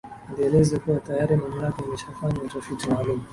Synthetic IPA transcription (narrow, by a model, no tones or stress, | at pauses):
ndiɛlɛzɛkuwatajaɾimam̩lakaliʃafaɲamutafitimaːlum